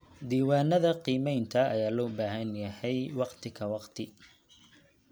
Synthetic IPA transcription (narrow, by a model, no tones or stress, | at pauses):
d̪iːwɑːnɐðɐqiːmɛjnt̪ʰɐɐjaːlɔːbaːɦɐnjɐhɛjwɑqt̪ʰɪkʰɐwɑqt̪ʰɪ